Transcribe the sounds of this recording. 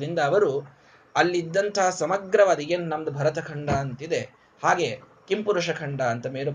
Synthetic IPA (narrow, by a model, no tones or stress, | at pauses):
ɾind̪ɐːʋɐɾu | ɐlːid̪ːɐnt̪ʰɐɦɐsɐmɐɡɾɐʋaːd̪iɡennɐmɐd̪ɐbʱɐɾɐt̪ɐkʰɐɳɖɐːnt̪id̪e̞ | haːɡe̞ | kimpuɾuʂɐkʰɐɳɖɐːnt̪ɐmeːɾu